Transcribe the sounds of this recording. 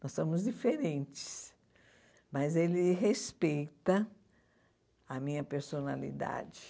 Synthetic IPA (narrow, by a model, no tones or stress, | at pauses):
nɔsːõmʊzd͡ʒifeɾẽnt͡ʃɪ̥s | mɐzelɪɦespejt̪ɐ | ɐmĩɲɐpeɾsonalḭd̪a̰d͡ʒɪ